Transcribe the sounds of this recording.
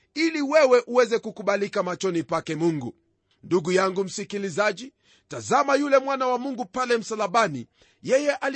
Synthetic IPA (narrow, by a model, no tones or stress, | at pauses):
iliwɛwɛʔuwɛzɛkukuɓalikamat͡ʃɔnipakɛmuŋɡu | nduɡujaŋɡum̩sikilizaʄi | tazamajulɛmwanawamuŋɡupalɛm̩salaɓanḭ | jɛjɛʔal